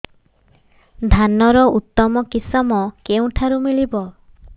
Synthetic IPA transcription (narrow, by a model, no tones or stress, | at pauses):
d̪ʱanɔɾɔut̪ːɔmɔkisɔmɔkeũʈʰaɾumilibɔ